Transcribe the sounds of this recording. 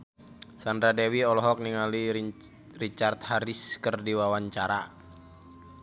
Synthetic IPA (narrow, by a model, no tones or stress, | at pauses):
sand̪ɾadɛwiɔlɔɦɔk̚niŋali | rit͡ʃart̪̚haɾiskərdiwawaɲt͡ʃaɾa